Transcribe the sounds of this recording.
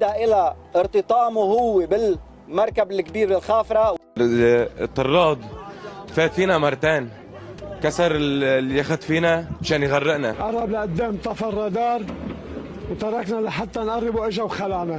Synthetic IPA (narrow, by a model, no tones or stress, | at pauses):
d̪aʔɪlaʔɪɾt̪ɨt̪ˤɑːmuhʊwːebɪl | mɑɾˤkabɪlkbiːɾɪlxaːfɾˤɑ | t̪ˤːɑrˤːɑːd̪ˤfeːt̪fiːnamɑrˤːɑt̪eːn | kasɑɾˤlːiaxad̪fiːnaaʃaːnjɣarˤːɪʔnaʔɑɾˤɑblaʔad̪ːeːmt̪ˤɑfɑrˤːɑd̪ɑːɾˤ | wt̪ɑɾˤɑknalaħat̪ːanʔɑrˤːɪbuʔɪʒawxalaʕna